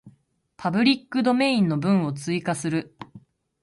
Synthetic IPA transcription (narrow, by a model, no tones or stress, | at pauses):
pʰabɯ̟ɾʲikːɯ̟d̪o̞me̞ĩnːo̞bɯ̟̃ɰ̃o̞t͡sɨikasɨɾɯ̟